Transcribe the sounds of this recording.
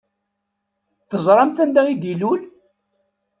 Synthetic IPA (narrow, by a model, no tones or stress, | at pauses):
θəzˤɾˤɑmθænd̪æid̪ilul